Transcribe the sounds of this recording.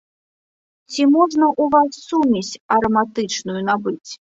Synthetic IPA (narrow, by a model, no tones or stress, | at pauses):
t͡sʲimɔʐnɐʔuvasːumʲit͡sʲɐɾɐmat̪ɨt͡ʂnujun̪abɨt͡sʲ